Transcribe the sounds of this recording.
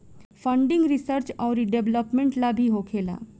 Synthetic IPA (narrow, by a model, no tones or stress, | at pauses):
fʰə̃ɳɖɪ̃ŋɡɾɪsəɾt͡ʃɔːɾiɖeʋləpmẽɳʈlabʱiɦokʰeːla̰ː